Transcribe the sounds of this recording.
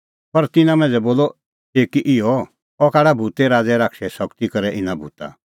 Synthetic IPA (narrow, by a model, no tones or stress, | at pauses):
pɐɾt̪ɪnãmɛ̃ːd͡zɛboːlɔ | eːkiʔɪɔ | ɔkaːɽabʱut̪ɛɾaːd͡zɛɾaːkʃɛsɔkt̪ikɐɾɛʔɪnabʱuːt̪a̰